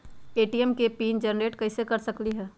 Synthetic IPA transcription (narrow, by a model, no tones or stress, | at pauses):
eːʈijɛmkepiːnd͡ʒɐnɾeːʈkɐɪsekɐɾsɐkliɦɛː